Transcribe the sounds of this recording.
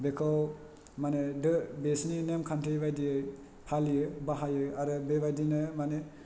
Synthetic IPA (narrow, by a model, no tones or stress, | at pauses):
bekʰaw | manedɯbesninemkʰantʰijbajdijɯ | pʰalijɯbaɦajɯaɾɯbebajdinɯmane